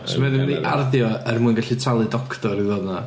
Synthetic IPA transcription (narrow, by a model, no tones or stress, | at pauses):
smɛðɪmðiʔarðjɔərmuɨnɡaɬitʰralˠɨdɔkʰtɔɾivɔdna